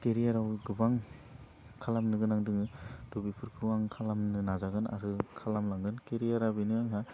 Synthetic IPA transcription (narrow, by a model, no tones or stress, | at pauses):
keɾijaɾawɡɯbaŋ | kʰalamnɯɡɯnaŋdɯŋɯdubipʰɯɾkʰɯwaŋkʰalamnɯnazaɡɯna̰ɾɯkʰalamlaŋɡɯnkeɾijaɾabinɯaŋɦa